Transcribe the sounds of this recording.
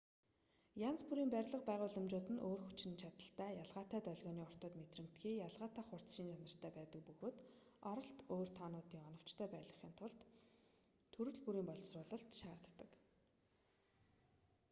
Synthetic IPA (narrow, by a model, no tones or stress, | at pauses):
jant͡spuɾiːmpæɾʲɮə̆qpæːʁʊːɮə̆mt͡ɕʊːt̪ɘ̆nʔoːrxut͡ɕ̆nt͡ɕʰat̪ə̆ɬt̪ʰæːjaɮʁaːt̪æːt̪œɮʲɣʲɔːniːʊr̥t̪ɔ̆ːt̪met̪rɘ̆m̥t̪ɡiːjaɮʁaːt̪ʰaːχʊr̥t͡sʃiːntʰanə̆r̥t̪ʰæːpæːt̪ə̆k̚pɵɣoːt̪ | ɔɾɞ̆ɬt̪oːr̥t̪ʰaːnʊːt̪iːŋɔnɞ̆w̥t͡ɕt̪ʰæːpæːɮə̆χiːnt̪ʰʊɮt̪ʰː | ɵɾɘ̆ɮpuɾiːmpɔɮsrʊːɮɞ̆ɬt̪ʃaːr̥t̪ːə̆k